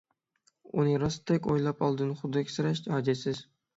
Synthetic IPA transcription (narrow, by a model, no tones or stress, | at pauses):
ʊ̰nɪɾɑst̪ʰakʲojlˠapɒlˠd̪ɪnχʊd̪ɪkʰʲsɪɾaʃt̪ʰhɑd͡ʒasɪz̥